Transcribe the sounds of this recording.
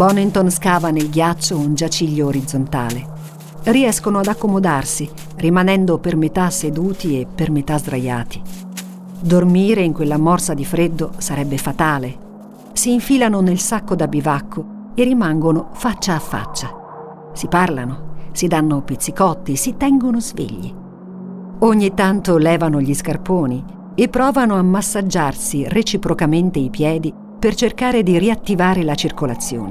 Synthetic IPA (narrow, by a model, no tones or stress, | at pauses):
bɔnːint̪onskaːvanelɡjat͡ʃːound͡ʒat͡ʃiʎːoːɾid̪zːont̪a̰ːle | riɛskonoad̪akːomod̪arsi | rimanɛnd̪opermet̪ased̪uːt̪iepːermet̪azd̪ɾaja̰ːt̪i̥ | d̪ormiːɾeiŋkwelːamɔrsad̪ifɾed̪ːosaɾɛbːefat̪aːle | siːɱfiːlanonelsakːod̪abːivakʰːo | erːimaŋɡonofat͡ʃːaːfːa̰t͡ʃːa | siparlanosid̪anːopit̪sːikɔt̪ːisit̪ɛŋɡonozvḛʎːḭ | oɲːit̪ːant̪olɛːvanoʎiskarpoːni | epːɾɔːvanoamːasːad͡ʒːarsiret͡ʃipɾokament̪eipjɛːd̪i | pert͡ʃerkaːɾed̪iriat̪ːivaːɾelat͡ʃirkolat̪sːjo̰ːne